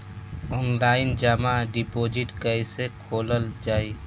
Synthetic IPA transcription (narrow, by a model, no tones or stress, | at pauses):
ɔːnlaːɪnd͡ʒəmaɖipoːd͡ʒɪʈkəisekʰoːləld͡ʒaːiː